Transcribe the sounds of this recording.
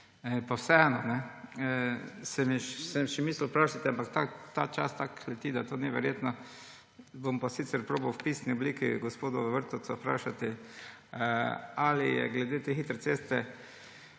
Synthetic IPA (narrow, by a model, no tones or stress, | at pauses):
ɛpawsɛɛnɔnɛ | sɛmiʃsɛmʃɛmiːslpɾaːʃat̪ɛampakt̪at̪at͡ʃa̰st̪aklɛt̪id̪at̪oːniʋɛɾjeːt̪nɔ | bompasiːt̪sɛɾpɾoːbawwpiːsniɔbliːkḭɡospoːd̪ɔʋəɾt̪ɔsɔpɾa̰ʃat̪ɛ | alijɛ̰ɡlɛd̪eːt̪exiːt̪ɾɛt̪sest̪ɛ